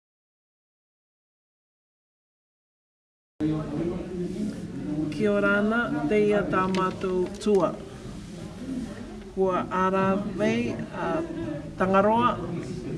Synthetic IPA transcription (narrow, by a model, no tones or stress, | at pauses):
kʰioɾanat̪ejat̪aːmat̪owt͡suɐ | huɐʔaɾavejat̪aŋaɾoɐ